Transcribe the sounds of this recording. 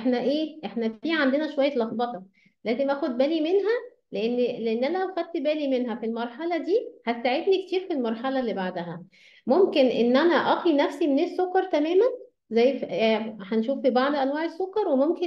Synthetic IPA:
ʔħnæʔeːʔeħnæfiːʕand̪enæʃowæjːælɑxbɑt̪ɑ | læːzemʔæːxod̪̚bæːlimenɦæ | leʔenːleʔenːʔænælæwxæd̪̚t̪bæːlimenɦæfilmɑɾˤħɑlɑd̪iːhæsaʕed̪nikt̪iːɾfilmɑɾˤħɑlɑlːibaʕd̪æɦæ | momkenʔenːʔænæʔɑxinæfsimenesːokːɑɾˤt̪æmæːmæn | zæjːfhænʃuːfːibɑʕd̪ˤʔænwæːʕesːokːɑɾˤwemomke

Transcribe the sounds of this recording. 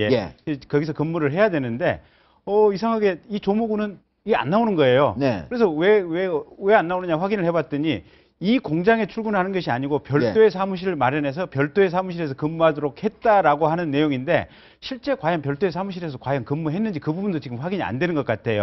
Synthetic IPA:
eekʌɡis̬ʰʌkɯmːuɾɯɭɦe̞jadwe̞nɯnde̞̰ | ʌis̬ʰaŋɦaɡe̞it͡ɕomuɡunɯn | ea̰nːaonɯnɡʌe̞jonkɯɾe̞sʰʌwe̞wewe̞anːaonɯɲaɸwaɡinɯɭhe̞bat̚t͈ɯɲi | ikoŋd͡ʑaŋe̞t͡ɕʰuɭɡunɦanɯnɡʌɕʰiaɲiɡopjʌɭt͈oesʰamuɕʰiɾɯɭmaɾjʌne̞s̬ʰʌpjʌɭt͈oesʰamuɕʰiɾe̞s̬ʰʌkɯmːuɦadoɾok̚he̞t̚t͈aɾaɡohanɯnːe̞joŋinde̞̰ | ɕʰiɭt͡ɕ͈e̞kwajʌnpjʌɭt͈oe̞sʰamuɕ̬ʰiɾes̬ʰʌkwajʌŋkɯmːuɦe̞nːɯnd͡ʑikɯbubundot͡ɕiɡɯmɸwaɡiɲia̰ndwe̞nɯnɡʌk͈atʰe̞jo̰

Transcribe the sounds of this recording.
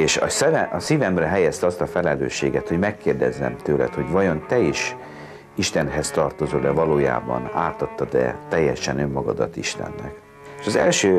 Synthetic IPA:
eːʃɒ̰sɛvɛɒsiːvɛmrɛɦɛjɛst̪ɒst̪ɒfɛlɛlø̰ːʃːḛːɡɛt̪ho̞ɟmɛkːeːrd̪ɛzːɛ̰mt̪øːlɛ̰t̪ho̞ɟvɒjo̞nt̪ɛiʃ | iʃt̪ɛnɦɛst̪ɒrt̪o̞zoːd̪ɛvɒloːja̰ːbɒ̰naːt̪ɒt̪ːɒd̪ɛ̰t̪ɛjːɛʃɛnømːɒɡɒd̪ɒ̰t̪ːiʃt̪ɛ̰nːɛ̰k | eːʃɒzɛ̰lʃøː

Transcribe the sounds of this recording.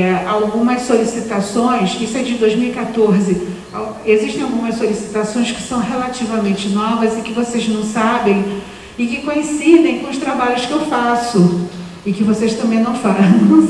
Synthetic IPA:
ɛawɡũmɐsːolisit̪asõj̃sisɛd͡ʒɪd̪ojzmiwikat̪oɾzɪ | aweziʃt̪ẽj̃awɡũmɐssolisi̥t̪asõj̃skɪ̥sɐ̃w̃ɦelat͡ʃivɐmẽnt͡ʃɪnɔvɐzɪkɪvoseznɐ̃w̃sabẽj̃ | ɪkɪkõĩsid̪ẽj̃kõʊʃt̪ɾabaʎʊskɪewfasʊ | ɪkɪvosejʃt̪ɐ̃mbẽj̃nɐ̃w̃faɾ̃

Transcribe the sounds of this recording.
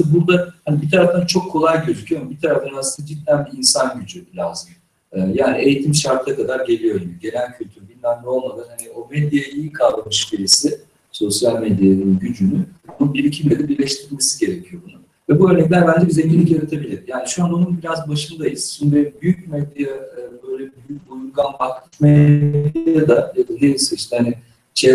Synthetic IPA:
buɾd̪ahanibit̪ʰaɾaft̪ʰant͡ʃʰo̞kʰːo̞lˠajɟø̞zycʰyjombit̪ʰaɾaft̪ʰanasɯnad͡ʒid̪ːʲænbiinsanɟyd͡ʒyblazɯjː | jaːnie̞jit̪ʰimʃaɾt̪ʰɯakʰad̪aɾɟe̞lʲijo̞ɟibiɟe̞lʲæncʰylʲt̪ʰyɾybinmæmlʲio̞lˠmad̪anhanio̞med̪jajʔijikʰalˠb̪ˠamɯʃciɾesɪ | so̞sjalʲmed̪janɯnɟyd͡ʒynybununbiɾicʰibiɾɛd̪ɛbiɾlʲɛʃt̪ʰiɾiɾmesiɟe̞ɾecʰijo̞bunʊ | vɛbuøɾnɛc̬lʲæɾbænd͡ʒɛbizɛɲɟilʲːicjaɾat̪ʰebilʲiɾjaːniʃuanonunbiɾazbaʃɯnd̪ajiz̥sunbebyjyc̚mɛd̪jaɯːbø̞jlʲɛbyjyc̚bujuɾɡanbʰaklˠɯcmed̪jjad̪ajad̪anejilˠsɯniʃt̪ɛhani | t͡ʃʰe

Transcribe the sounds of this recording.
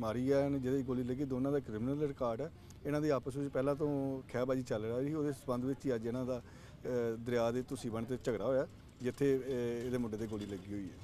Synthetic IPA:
maːɾiːɛːnd͡ʒed̪eɡoːliːləɡiːd̪oːnãːd̪aːkɾɪmnəlɾɪkaːɾɖɛː | ɪnãːd̪iːaːpəs̬ʋɪt͡ʃpɛːlãːt̪õːkʰɛːbaːd͡ʒiːt͡ʃəlɾaːiːioːd̪eːsəbənd̪ʋɪt͡ʃiːad͡ʒɪnãːd̪aː | d̪ɾɪjaːd̪eːt̪ʊsĩːbəɳt̪̬eːt͡ʃəɡɾaːɦoːjaː | d͡ʒɪt̪ʰːeːeːd̪eːmʊɖːeːt̪eːɡoːliːləɡiːɦoːiːɛ̰ː

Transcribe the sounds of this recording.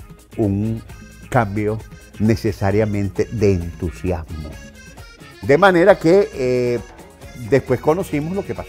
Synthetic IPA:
uŋkambjonesesaɾjamẽnt̪eðeːnt̪usjazmo̰ | d̪emãneɾake | d̪espweskonosimoslokepa

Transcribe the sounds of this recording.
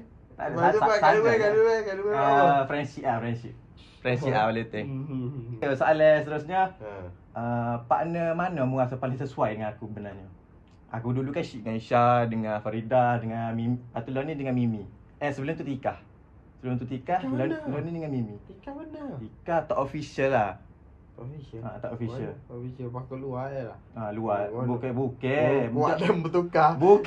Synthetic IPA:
t̪a̰dəasaaaaauɛkaduəfɾɛnsiʔafɾɛnsip̚ | fɾɛnsiʔaalet̪ɛ | esalɛsət̪əɾusɲa | əpa̰ʔnəmanəmuŋasapalɪŋs̬əsuajdəŋanakubənaɲa | a̰kudulukanʃiʔŋaiʃadəŋafaɾidadəŋamimat̪ulonidəŋanmimi | əsəbəlʊmt̪ut̪ikah | səbəlʊmt̪ut̪ikahlalonidəŋanmimiikabənəikaht̪aʔofisəlːah | at̪aʔofiəlisəbakulual | aluabukɛbukɛbaadəmbət̪ukabuk

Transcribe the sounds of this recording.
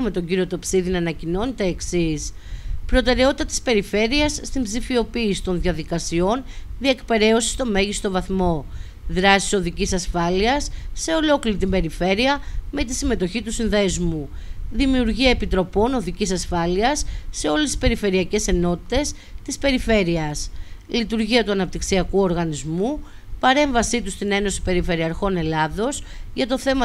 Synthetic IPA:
me̞t̪o̞ɲɟiɾio̞t̪opsiðinɐnɐcino̞nit̪e̞ːksispɾo̞t̪e̞ɾe̞ot̪it̪ɐt̪i̥spe̞ɾife̞ɾiɐsːt̪imbzifio̞piːsi̥t̪o̞nðiɐðikɐsio̞nðie̞kpe̞ɾe̞osi̥st̪o̞me̞ʝist̪o̞vɐθmo̞ | ðɾɐsi̥so̞ðicisɐsfɐliɐsːe̞o̞lo̞kliɾit̪imbe̞ɾife̞ɾiɐme̞t̪isime̞t̪o̞çit̪usinðe̞zmuðimiuɾʝiɐepit̪ɾo̞po̞no̞ðicisɐsfɐliɐsːe̞o̞lesi̥spe̞ɾife̞ɾiɐce̞se̞no̞t̪i̥t̪e̞s | t̪ispe̞ɾife̞ɾiɐslit̪uɾʝiɐt̪uɐnɐpt̪iksiɐkuo̞ɾɣɐnizmu | pɐɾe̞ɱvɐsit̪ust̪ine̞no̞si̥pe̞ɾife̞ɾiɐɾxo̞ne̞lɐðo̞s | ʝɐt̪o̞θe̞mɐ

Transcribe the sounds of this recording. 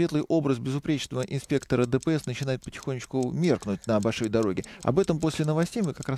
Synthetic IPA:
vʲe̞t̪lˠɨjʔo̞bɾəzbʲɪzʊpɾʲet͡ɕnəvəʔɪnspʲekt̪əɾəd̪əpəɛsnət͡ɕɪnajɪt̪̚pətʲɪ̥xonʲːɪt͡ɕkʊmʲe̞rknʊt̚ʲnəbɐlʲʂo̞jd̪ɐɾo̞ɡʲɪɐ̰bɛt̪əmpo̞sʲlʲɪnəvɐsʲtʲejmɨkɐkɾa

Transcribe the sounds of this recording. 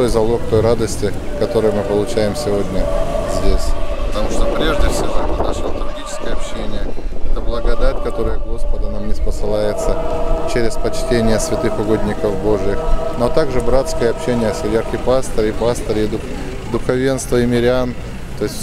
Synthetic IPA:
t̪o̞jzɐlˠo̞kt̪o̞jɾad̪əsʲtʲɪkɐt̪o̞ɾɨjmɨpəlˠʊt͡ɕæjɪmsʲɪvo̞dʲnʲəzʲdʲesʲpə̥t̪ɐmuʂt̪opɾʲe̞ʐdʲɪfsʲɪvo̞əd̪ɐʂlˠot̪ɾɐɡʲit͡ɕɪ̥skəjɐpɕːenʲɪjəɛt̪əblˠəɡɐd̪atʲkɐt̪o̞ɾəjəɡo̞spəd̪ʊnamnʲɪspəsɨlˠajɪt̪sət͡ɕeɾʲɪspɐt͡ɕtʲenʲɪjəsʲvʲɪt̪ɨxʊɡo̞d̪ʲnʲɪkəfbo̞ʐɨjɪxnot̪aɡʐɨbɾat̪skəjəɐpɕenʲɪjəɐsɐvʲerkʲɪpast̪əɾʲɪpast̪əɾʲɪd̪ʊ | d̪ʊxɐvʲe̞nst̪vəɪmʲɪɾʲɪan | t̪o̞ɪsʲtʲ

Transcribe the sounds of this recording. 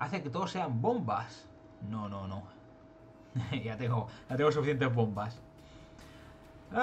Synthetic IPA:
aθeket̪oðosːe̞ambombas | nõnõnõ | ʝat̪eŋɡojat̪eŋɡosufiθje̞nt̪̬ezβo̞mbas

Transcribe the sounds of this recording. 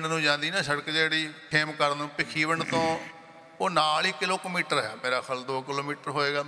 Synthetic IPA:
ɳnũːd͡ʒãːnd̪iːnãːʃəɽkd͡ʒeːɽiːʈʰeːmkəɾnũːpɪkʰiːʋəɳt̪õː | oːnaːliːkɪloːkəmiːʈəɾɦɛːpeːɾaːkʰəld̪oːkɪloːmiːʈəɾɦoːeːɡaː

